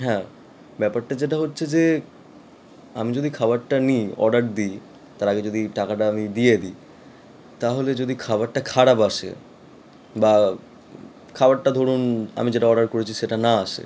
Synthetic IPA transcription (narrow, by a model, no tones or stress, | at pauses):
ɦɛ̃ | bɛpaɾʈad͡ʑeʈ̬aɦotːɕʰed͡ʑe | amid͡ʑod̪ikʰabaɾʈaniɔ̰ɖaɾd̪i | t̪aɾaɡed͡ʑod̪iʈakaʈaamid̪ijed̪i | t̪aɦoled͡ʑod̪ikʰabaɾʈakʰaɽapaʃḛ | ba | kʰabaɾʈad̪ʱoɽuna̰mid͡ʑeʈaɔɖaɾkoɾet͡ɕʰiʃeʈanaaʃḛ